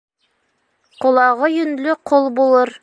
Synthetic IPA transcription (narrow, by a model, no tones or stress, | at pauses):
qolˠɑʁɤjɵ̆nlɵqʰolˠbulˠɤɾ